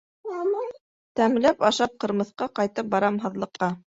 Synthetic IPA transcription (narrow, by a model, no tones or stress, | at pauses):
t̪æmlæpɑʃɑp̚qɤ̆ɾmɤ̆θqɑqɑjt̪ɤp̚bɑɾɑmɦɤ̆ðlˠɤ̆qːɑ